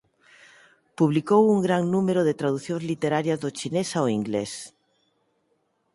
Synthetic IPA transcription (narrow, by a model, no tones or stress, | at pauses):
puβlikowuŋɡɾaŋnumeɾoðet̪ɾaðuθjõŋzlit̪eɾaɾjazðot͡ʃinesaoiŋɡles